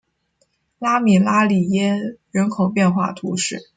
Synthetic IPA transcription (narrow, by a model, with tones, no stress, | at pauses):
la˥mi˨˩la˥li˨˩jɛ˥ɻə˧˥nkʰo˨˩ʊpjɛ˥˧nxwa̰˥˩t̪ʰu˧˥ʂɻ̩˥˩